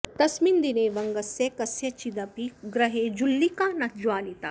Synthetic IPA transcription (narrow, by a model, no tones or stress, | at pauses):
t̪ɐsmind̪ineːʋɐŋɡɐsjekɐsjɐt͡ʃid̪ɐpiɡɾɐɦeːd͡ʒulːikaːnɐt̪d͡ʒwaːnit̪a